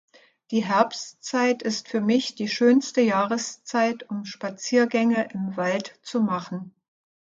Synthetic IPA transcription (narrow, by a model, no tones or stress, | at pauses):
d̥iːɦɛɐpst͡saɪtɪstfyːɐmɪçd̥iːʃøːnstəjaːʁəst͡saɪtʊmʃpat͡siːɐɡɛŋəʔɪmvaltt͡sumaχn̩